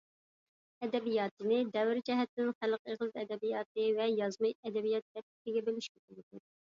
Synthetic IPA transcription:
ɛd̪ɛbijɑːt̪ʰɨnɪd̪ɛvɾd͡ʒɛɦɛt̪ːɪnχælˠqeχlˠɨt̪ɛd̪ɛbijɑːt̪̚ɨvɛjɑzmɑjɛd̪ɛbijɑt̪ːɛp̚t̪ɪ̥kʲɪɡʲɛbɪliʃkʲek̪ɪlɪd̪u

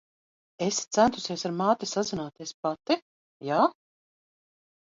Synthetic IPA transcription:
est̪sænt̪u̥siɛsaɾmaːt̪isazinaːt̪iɛspat̪i | jaː

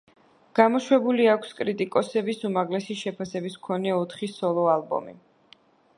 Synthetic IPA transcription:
ɡ̥amɔʃwɛbuliakʰskʼɾit̪ʼikʼɔsɛbisumaʁlɛsiʃɛpʰasɛbiskʰɔnɛɔt̪ʰχisɔlˠɔalˠbɔ̰mḭ

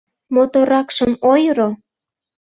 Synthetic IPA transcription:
mot̪oɾɑkʃəmojɾo

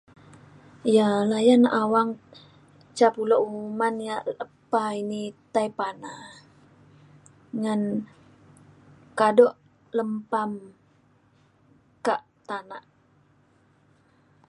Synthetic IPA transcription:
jalajanaʔawaŋ | t͡ʃapulɔʔumanjaʔləpainit̪aipana | ŋan | kadɔʔ | ləmpam | kaʔ | t̪anaʔ

